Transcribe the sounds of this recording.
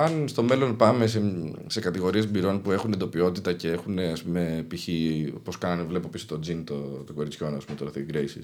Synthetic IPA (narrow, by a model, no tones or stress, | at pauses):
ɐnst̪o̞me̞lo̞npɐme̞sese̞kɐt̪iɣo̞ɾie̞zbiɾo̞npue̞xunend̪opio̞t̪it̪ɐce̞e̞xune̞ɐspume̞piçipo̞skɐnɐnevle̞popisot̪o̞d͡zint̪ot̪o̞ko̞ɾit͡sço̞nɐspumet̪olɐθiɡɾejsḭs